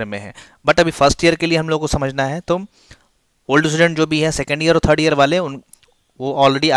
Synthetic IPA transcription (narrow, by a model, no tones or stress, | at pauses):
mḛ̃ɦɛ̰̃ː | bɐʈɐbʱifɐɾsʈijəɾkelieɦɐmloːɡkosɐməd͡ʒʱnaɦɛt̪oː | oːlɖɪs̬ɪɖẽɳʈ̚d͡ʒoːbʱiɦɛsɛkə̃ɳɖijəɾɔɾt̪ʰəːɾɖijəɾʋaːleʊn | ʋoʔɔːlɾeɖia